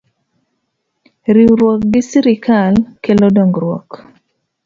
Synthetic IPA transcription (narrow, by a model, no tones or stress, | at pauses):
ɾiwɾwɔk̚ɡɪsiɾɪkalkelɔdoŋɡɾwɔ̰k